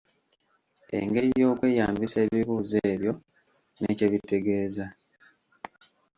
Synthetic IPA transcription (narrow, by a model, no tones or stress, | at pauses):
e̞̰ŋɡe̞ɾijo̞ːkwe̞ːjaːmbise̞ːβiβuːzeːβjo̞ | nḛːceβite̞ɡe̞ːza